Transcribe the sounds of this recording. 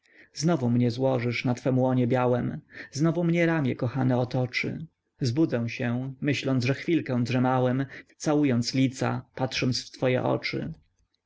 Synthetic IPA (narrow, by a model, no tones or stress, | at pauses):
znɔvumɲɛzwɔʐɘʂnat̪fɛmwɔɲɛbʲjawɛmznɔvumɲɛɾamʲjɛkɔxanɛɔt̪ɔt͡ʂɘ̰ | zbud̪zɛw̃ɕɛmɘɕlɔnd̪ʐɛxfʲilkɛ̃w̃dʐɛmawɛmt̪sawujɔnt̪slʲit̪sa̰patʂɔnt̪sft̪fɔjɛ̰ʔɔ̰t͡ʂɘ̰